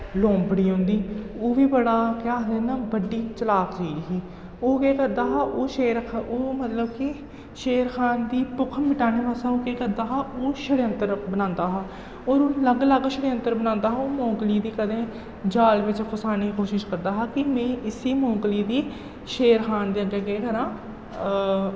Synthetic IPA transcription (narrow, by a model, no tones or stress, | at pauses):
lõːmbəɽiːɦʊ̃nd̪iːoːʋiːbəɽaːkaːd̪eːnãːbəɖːiːt͡ʃəlaːkd͡ʒiːɾɦiː | oːkeːkəɾd̪aːɦaːʔoːʃeːɾkʰaʔoːmət̪ləbkɪ | ʃeːɾxʰaːnd̪iːpʊkʰmɪʈaːneːpaːsaːoːkɛːkəɾd̪aːɦaːʔoːʃəɽjənt̪əɾbənãːnd̪aːɦaː | oːɾoːləɡləɡʃəɽənt̪əɾbənãːnd̪aːɦaoːmõːŋkliːd̪iːkəd̪ẽː | d͡ʒaːlʋɪt͡ʃkʰʊsaːniːkoːʃɪʃkəɾd̪aːɦaːkɪmẽːʔɪsiːmõːkliːd̪iː | ʃeːɾxʰaːnd̪eːəɡeːɡeːɡəɾãː